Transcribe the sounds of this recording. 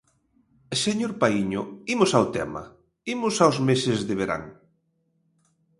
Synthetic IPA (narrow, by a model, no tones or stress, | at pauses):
seɲoɾpaiɲʊimʊsawt̪ɛmɐ̰ | imʊsawzmesɪzðɪβ̞eɾa̰ŋ